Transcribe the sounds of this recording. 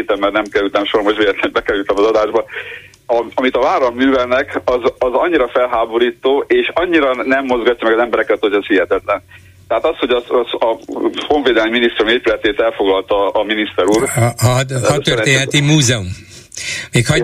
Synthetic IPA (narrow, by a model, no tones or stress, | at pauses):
t̪ɛmːɛrnɛmkɛɾylt̪ɛmʃoɾmoʃʋeːlɛt̪lɛbɛkɛɾylt̪ɛmɒzɒd̪aːʒbɒ | ɒɒmit̪ɒvaːɾɒmːyːvɛlnɛkɒzɒzɒɲːiɾɒfɛlɦaːbo̞ɾiːt̪oːʔeːʃɒɲːiɾɒnɛmːo̞zɡɒcːɒmɛɡɒzɛmbɛɾɛkɛt̪hoɟɛshiɦɛt̪ɛt̪lɛn | t̪ɛɦaːt̪ɒsho̞ɟɒsɒhoɱveːd̪ɛlɛmːminist̪ɾumeːpylɛt̪eːt̪ɛlfo̞ɡlɒlt̪ɒːminist̪ɛɾuːr | hɒt̪ørrt̪eːnɦɛt̪imuːzɛum | meːkhɒ